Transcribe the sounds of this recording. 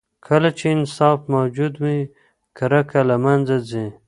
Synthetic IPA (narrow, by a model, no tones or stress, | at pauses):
kʰəlat͡ʃʰeːnsɑːfmawd͡ʒud̪mi | kʰaɾakalamand͡zazĩ